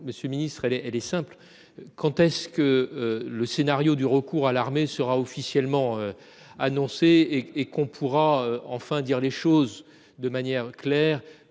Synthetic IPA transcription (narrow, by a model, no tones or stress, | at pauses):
məsjøminist̪χɛlɛɛlɛsɛ̃pl | kɑ̃t̪ɛskələsenaʁjod̪yʁəkuʁalaʁmesəʁaɔfisjɛlmɑ̃ø | anɔ̃seːkɔ̃pʰuʁaøɑ̃fɛ̃d̪iʁleʃoz | d̪əmanjɛʁklɛːʁ